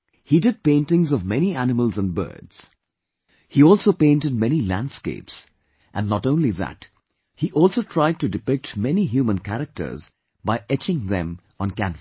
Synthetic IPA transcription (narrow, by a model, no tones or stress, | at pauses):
hidɨd̚pẽɪ̃ntɪ̃ŋzɔvmɛniænɪməlˠzə̃nbɜ̰˞dz̥ | hiɔlˠsoʊpẽɪ̃ntɨd̚mɛnilæ̰̃nd̥skḛɪps | ʔɨ̃nːətõʊ̃nliðæ̰t | hiʔɔlˠsoʊtʰɹ̥aɪd̚tɨdɨpɪk̚tmɛniɦjumə̃nkæɾɨk̚tə̰˞z | baɪʔɛt͡ʃɪ̃ŋðɛ̰̃m | ə̃nkæ̃nf